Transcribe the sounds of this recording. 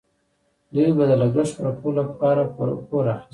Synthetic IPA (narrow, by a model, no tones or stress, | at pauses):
d̪ujbad̪əlaɡɾaʃpɾapʰolapʰɑɾappoɾax